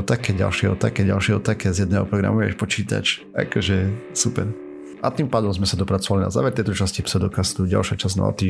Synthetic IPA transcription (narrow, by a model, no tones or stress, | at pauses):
ɔt̪akɛɟa̰lʃɪɛɦɔt̪akɛɟa̰lʃɪɛɦɔt̪akɛzjɛd̪nɛːɦɔpɾɔɡɾa̰muɛ̰ʃpɔt͡ʃiːt̪a̰t͡ʃ | a̰kɔʒɛsupɛ̰ɾ | ʔat̪iːmpaːd̪ɔmzmɛsad̪ɔpɾat͡sɔʋalina̰za̰ːʋɛɾt̪ɛjt̪ɔt͡ʃascipsɛd̪ɔkast̪uɟa̰lʃɪat͡ʃaznɔ̰a̰t̪iː